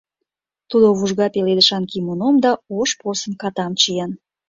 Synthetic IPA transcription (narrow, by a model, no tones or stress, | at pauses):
t̪ud̪oβuʒɣɑpeled̪əʃɑnkimonomd̪ɑoʃposənkɑt̪ɑmt͡ɕijɑn